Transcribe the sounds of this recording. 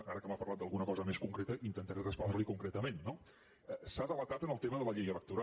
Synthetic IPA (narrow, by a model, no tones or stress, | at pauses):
aɾəkəmapɐrlat̪̚d̪əlˠɣunəkɔzəmeskuŋkɾet̪əʔint̪ənt̪əɾɛrəspɔnɾəlikuŋkɾet̪əmenːo | ɛsaðələt̪at̪ənəlˠt̪eməðələʎejələk̚t̪uɾa